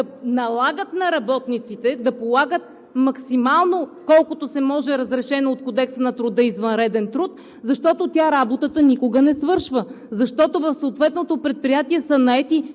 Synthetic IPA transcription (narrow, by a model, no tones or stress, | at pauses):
ɐnɐlˠaɡət̪nɐɾɐbɔt̪nit̪sit̪ɛd̪ɐpolˠaɡət̪̚ | mɐksimalˠnokɔlˠkot̪osɛmɔʒɛɾəzɾɛʃɛnot̪kod̪ɛksənɐt̪ɾʊd̪əizvənɾɛd̪ɛnt̪ɾut̪ | zɐʃt̪ɔt̪ot̪ʲaɾabot̪ət̪ənikʊɡənɛsvɤɾʃvə | zɐʃt̪ɔt̪ovɐfsoːt̪vɛt̪not̪opɾɛt̪̚pɾijat̪iɛsənɐɛt̪i